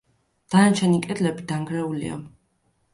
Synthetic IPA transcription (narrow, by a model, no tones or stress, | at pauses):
d̪̥anat͡ʃʰɛnikʼɛd̪lɛbid̪̥aŋɡɾɛulḭa̰